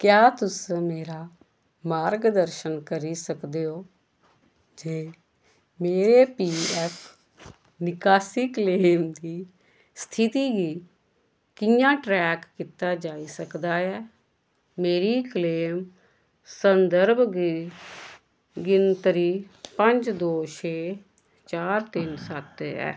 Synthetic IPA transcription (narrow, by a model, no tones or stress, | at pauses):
kjaːt̪ʊsmeːɾaː | maːɾɡd̪əɾʃənkəɾiːsəkd̪eːoː | d͡ʒeː | meːɾeːpiːɛːpʰ | nɪkaːsiːkleːmd̪iː | st̪ʰɪt̪iːɡiː | kɪjãːʈɾɛːkːiːt̪aːd͡ʒaːiːsəkd̪aːɛː | meːɾiːkleːm | sənd̪əɾbɡ | ɡɪnt̪əɾiːpəɲd͡ʒd̪oːʃʰeː | t͡ʃaːɾt̪ɪnsət̪ɛ̰ː